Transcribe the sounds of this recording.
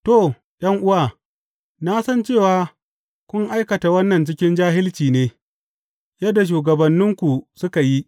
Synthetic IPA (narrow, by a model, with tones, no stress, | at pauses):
to˦˨ | ɗɐ˦ŋʔʊ˦waː˨ | na˦sɐ˦nt͡ʃeː˦˨waː˨˦ | kʷʊ˦ŋʔa˦jkɐ˨ta˨wɐ˦nːɐ˨nt͡ʃɪ˦kʲɪ˦nd͡ʒaː˦ɦɪ˦lt͡ʃiː˨neː˦ | jɐ˦dːa˨ʃ̬uː˨ɡɐ˨bɐ˨nːɪ˦ŋkʷu˨sʊ˦ka˨ji˦